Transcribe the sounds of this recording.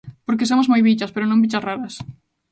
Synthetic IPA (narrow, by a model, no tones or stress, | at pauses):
poɾkesomozmojβit͡ʃaspeɾonõmbit͡ʃasraɾɐs